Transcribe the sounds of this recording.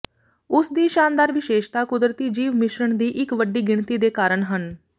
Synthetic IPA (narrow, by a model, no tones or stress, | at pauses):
ʊsd̪iːʃaːnd̪aːɾʋɪʃeːʃt̪aːkʊd̪ɾət̪iːd͡ʒiːʋmɪʃɾəɳd̪iːʔɪkʋəɖiːɡɪɳt̪iːd̪eːkaːɾəɳɦən